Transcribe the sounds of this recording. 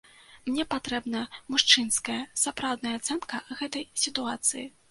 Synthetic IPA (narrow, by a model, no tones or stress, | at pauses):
mnʲɛpat̪ɾɛbnɐmuʂt͡ʂɨnskɐjɐsapɾawd̪nɐjɐat̪sɛnkɐɣɛt̪ɐjsʲit̪uat̪sɨji